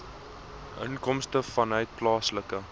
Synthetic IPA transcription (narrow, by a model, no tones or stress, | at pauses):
ʔə̰nkɔmstəfɐnɦœɥt̚plɑːsləkə